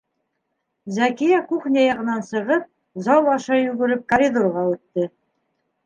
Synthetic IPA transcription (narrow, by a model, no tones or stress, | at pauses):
zækijækuχnʲɑjɑʁɤ̆nɑnsɤ̆ʁɤp̚ | zɑw̪ˠɑʃɑjʉɡɘ̆ɾɘp̚kɐɾʲid̪orʁɑʉt̪ːɘ